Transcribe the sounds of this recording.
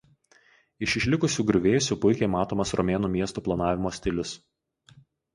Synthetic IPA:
ɪʃʲɪʃʲlʲɪkʊsʲuːɡɾʲʊʋʲeːsʲupʊɪkʲɛɪmɑːt̪oːmɐsɾɔmʲeːnuːmʲiɛst̪uːplˠɐnɑːʋʲɪmoːsʲt̪ʲɪlʲʊs

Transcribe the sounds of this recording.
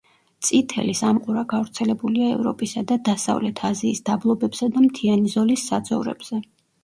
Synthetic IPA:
t̪sʼit̪ʰɛ̰lisamqʼuɾaɡavɾt̪sʰɛlɛbuliaɛ̰vɾɔ̰pʼisad̪ad̪asa̰vlɛt̪ʰaziːsd̪ablˠɔbɛbsad̪amt̪ʰianizɔlisːad̪zɔvɾɛ̰bz̥ɛ

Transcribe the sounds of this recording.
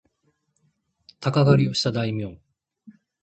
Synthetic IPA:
t̪akaɡaɾʲio̞ɕi̥t̪ad̪aimʲjõ

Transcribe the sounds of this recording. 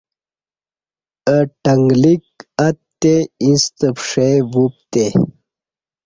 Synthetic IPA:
əʈɐŋɡlik̚ɐt̪ːeinst̪əpʂevup̚t̪e

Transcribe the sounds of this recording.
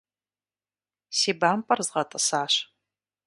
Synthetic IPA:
siːbaːmpʼɐrzʁɐtʼɐsaːɕ

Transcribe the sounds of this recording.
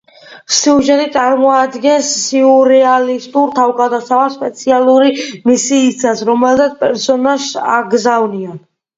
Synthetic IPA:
siuʒɛt̪it̪sʼaɾmɔad̪ɡɛnsːiuɾɛalist̪ʼuɾt̪ʰavɡad̪asavaspʼɛt̪sʰialˠuɾimisiːsʰasɾɔmɛlˠzat̪spʼɛɾsɔnaʃa̰ɡzavnian

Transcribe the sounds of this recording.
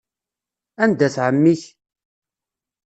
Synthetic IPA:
ænd̪æθʕəmːiç

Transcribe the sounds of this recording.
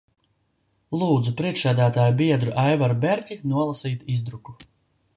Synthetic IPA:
lˠuːd̪zupɾiɛkʃsæːd̪æːt̪aːjubiɛd̪ɾuʔajvaɾbʲɛɾʲcʲinuɔlˠasiːt̪izd̪ɾuku

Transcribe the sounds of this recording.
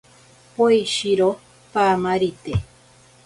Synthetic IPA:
poiʃiɾo | pamãɾit̪e

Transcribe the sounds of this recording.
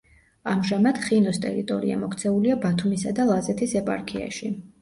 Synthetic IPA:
amʒamad̪̥χinɔst̪ʼɛ̰ɾit̪ʼɔ̰ɾḭa̰mɔkʰt̪sʰɛuliabat̪ʰumisad̪alˠazɛt̪ʰisɛpʼa̰ɾkʰia̰ʃi

